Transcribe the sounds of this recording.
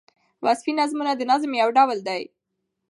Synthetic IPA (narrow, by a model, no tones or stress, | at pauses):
wazfinazmunad̪ənazmjawɖawəld̪aj